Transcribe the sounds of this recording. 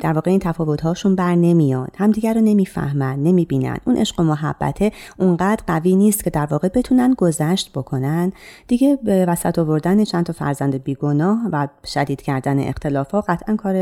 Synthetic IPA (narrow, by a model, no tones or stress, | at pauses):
d̪æɾvɒːɣe̞iːnt̪ʰæfɒːvo̞t̪ɦɒːʃunbæɾne̞mijɒːnd̪̥hæmd̪iːɟʲæɾɔːne̞miːfæ̰hmænd̪̥ne̞miːbiːnæ̰nd̪ʔṵnʔe̞ʃɢo̞moɦæ̰bːæ̰t̪ʰe̞uŋɢæːd̪̥ɾɢæviːniːst̪cʰe̞d̪æɾvɒːɣe̞be̞t̪ʰuːnænd̪̚ɡo̞zæʃt̪b̥o̞kʰo̞nænd̪d̪̥iːɟe̞bevæsæt̪ʰovo̞ɾd̪ænet͡ʃʰænt̪ʰɒfæ̰ɾzænd̪ebiːɡo̞nɒːhvæʃæd̪iːd̪̥cʰæɾd̪æne̞̰ʔḛxt̪ʰe̞lɒːfɒːɢæt̪ʰʔænkʰɒːɾe